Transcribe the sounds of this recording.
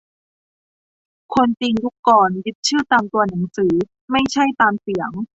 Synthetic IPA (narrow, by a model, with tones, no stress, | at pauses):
kʰo˧nt͡ɕi˧ŋju˦˥kːɔː˨˩nji˦˥t̪̚t͡ɕʰɯː˥˩t̪aː˧mt̪u˧ɐna˩˦ŋsɯː˩˦ | ma˥˩jt͡ɕʰa˥˩jt̪aː˧msi˨˩˦əŋ